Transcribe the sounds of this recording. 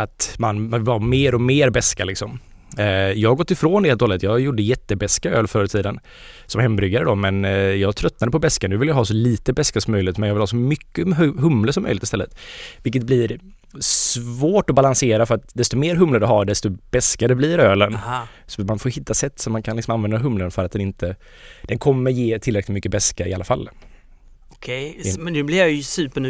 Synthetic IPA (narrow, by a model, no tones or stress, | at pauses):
at̪manavɪlvameːɾɔmeːɾbɛskalɪksɔm | jɑːhaɡɔt̪ːɪfɾoːnd̪ɛheːt̪hɔlət̪jɑːɡjʊɖəjɛt̪ːəbɛskaøːlfœːɾət̪ʰiːd̪ən | sɔmɦɛmːbɾʏɡaɾəd̪ɔmɛnjɑːɡt̪ʰɾœt̪nad̪əpʰɔbɛskanʉvɪljaɦɑːs̬ɔliːt̪əbɛskasɔmːœjlɪɪt̪mɛnjɑvɪlhɑːsɔmʏkːəɦɵmləsɔmːœʏjlɪt̪ɪst̪ɛlːə̰t̪vɪlk̬ːət̪̚blɪɾ | svoːʈɔbalanseːɾafœɾat̪d̪ɛst̪ɔmeːɾɦɵmləd̪ɛɦaɖɛst̪ɔb̥ɛskad̪ɛbliːɾøːlən | sɔmanfoːjhɪt̪ʰːasɛt̪ːsɔmːankʰanlɪksɔmanvɛnd̪aɦɵmlənfœɾat̪̚d̪ɛnɪnt̪ʰə | d̪̥ɛnkʰɔmːəɾjeːt̪ʰɪlɾɛklɪt̪mʏkːəbɛskaɪ̰alːafa̰lː | kʰɛjɛnnʉblɪɾjajsʉːpənʉ